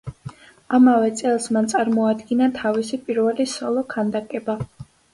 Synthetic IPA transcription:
amavɛt̪sʼɛlˠsmant̪sʼaɾmɔad̪ɡinat̪ʰavisipʼiɾvɛlisɔlˠɔkʰand̪akʼɛba

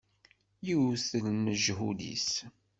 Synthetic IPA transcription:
jiwθəlnəʒɦulḭs

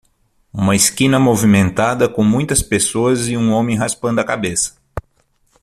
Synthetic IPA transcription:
ũmɐɪskĩnɐmovimẽnt̪ad̪ɐkõmũj̃t̪ɐspesoɐzɪũõmẽj̃ɦaspɐ̃nd̪ʊɐkabesɐ̥

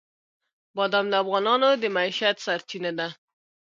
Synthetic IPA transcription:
bɑd̪amd̪əafɣɑnɑnod̪əmaiʃat̪saɾt͡ʃinad̪a

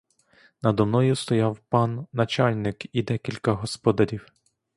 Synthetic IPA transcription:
nɐd̪ɔmnɔjʊst̪ɔjɑwpɑnːɐt͡ʃɑlʲnɪkid̪ɛkʲilʲkɐɦɔspɔd̪ɐɾʲiw

